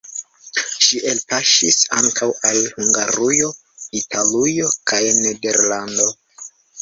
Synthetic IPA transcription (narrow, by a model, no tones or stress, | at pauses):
ʃiʔelpaʃisa̰ŋkʰawalhuŋɡaɾujo̞ | italujo̞kʰajnede̞ɾlando̞